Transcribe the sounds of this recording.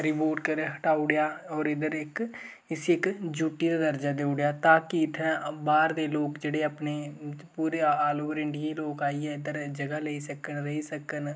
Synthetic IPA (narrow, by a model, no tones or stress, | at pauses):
ɾɪpoːɾʈkəɾɦəʈaːʊɽejaːɔːɾɪd̪əɾɪk | ɪsiɪkd͡ʒuːʈiːd̪aːd̪əɾd͡ʒaːd̪eːʊɽjaːt̪aːkɪɪt̪ʰãbaːɾd̪eːloːkd͡ʒeːɽeːəpneːpuːɾeːaːloːəɾɪɳɖiiːloːkaːiːɛːɪd̪əɾd͡ʒəɡaːleiːsəkənɾəiːsəkən